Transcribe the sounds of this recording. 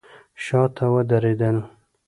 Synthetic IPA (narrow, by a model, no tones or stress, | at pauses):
ʃɑt̪ʰawəd̪aɾed̪əl